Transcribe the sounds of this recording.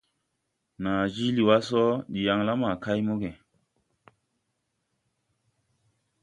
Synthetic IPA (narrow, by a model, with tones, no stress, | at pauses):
na˨d͡ʒi˦li˨wa˦sɔ˦ɗi˨ja˨ŋla˦ma˨ka˦jmo˦ɡe˨